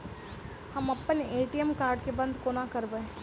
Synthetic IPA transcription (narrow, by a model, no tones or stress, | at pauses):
hɐmɐpːəneːʈijəmkaːɾɖkebɐ̃nd̪konakɐɾbəe